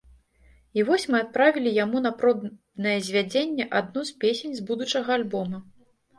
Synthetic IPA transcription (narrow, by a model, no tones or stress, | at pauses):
ivɔsʲmɨat̪̚pɾavʲilʲijamun̪ɐpɾɔb | nɐjɛzʲvʲad͡zʲenʲːɛʔad̪nuspʲesʲenʲzbud̪ut͡ʂɐɣɐalʲbɔmɐ